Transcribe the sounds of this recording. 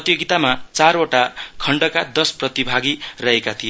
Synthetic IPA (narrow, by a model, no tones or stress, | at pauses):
ʌt̪joɡit̪amat͡saɾoʈakʰʌɳɖʌkad̪ʌsprʌt̪ibʱaɡirʌɦekat̪ʰijo